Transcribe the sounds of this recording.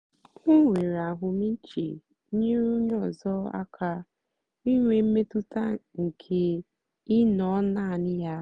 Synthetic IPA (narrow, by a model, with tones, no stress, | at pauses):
hʊ˦ŋʷe˨ɾa˨ɦʊ˨mi˦t͡ʃḛ˨ | ɲi˦ɾu˦ɲɔ˦˨zɔ˦a̰˦kʰa˦ | i˦ŋʷe˨m̩˦me˦tu˦ta˦ŋ̩˨kʰe˨ | i˦nɔ˦na˦˨nɪ˦ja˦